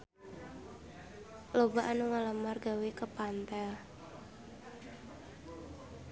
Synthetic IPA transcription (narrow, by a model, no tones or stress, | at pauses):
lobaʔanuŋaləmarɡawekəpant̪ɛ